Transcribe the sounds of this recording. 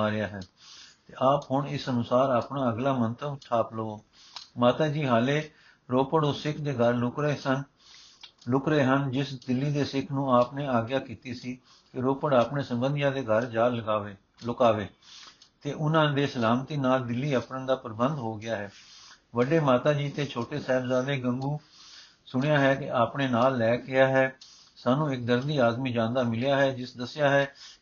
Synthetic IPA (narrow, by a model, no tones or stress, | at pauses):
aːɾɪjaːɦɛː | t̪eːʔaːpɦʊɳɪsənʊsaːɾaːpɳaːəɡlaːmənt̪ʰəʋʈʰaːpləoː | maːt̪aːd͡ʒiːɦaːleː | ɾoːpəɽoːsɪkʰd̪eːɡʱəɾɾeːən | lʊkɾeːɦənd͡ʒɪsd̪ɪlːiːd̪eːsɪkʰnũːaːpnẽːaːɡjaːkiːt̪iːsiː | kɪɾoːpəɽaːpnẽːsə̃mbənd̪jãːd̪eːɡʱəɾd͡ʒaː | lʊkaːʋeː | t̪eːʔʊnãːd̪eːsəlaːmt̪iːnaːld̪ɪlːiːəpɾənd̪aːpəɾbə̃nd̪ɦoːɡɪjaːɦɛː | ʋəɖeːmaːt̪aːd͡ʒiːt̪eːt͡ʃʰoːʈeːsɛːɪbzaːd̪eːɡəŋɡuː | sʊɽ̃ɪjaːɦɛːkɪaːpɳeːnaːlːɛːkɪaːɦɛː | saːnũːɪk̚d̪əɾd̪iːaːd̪miːd͡ʒãːnd̪aːmɪljaːɦɛːd͡ʒɪsd̪əsɪjaːɦɛː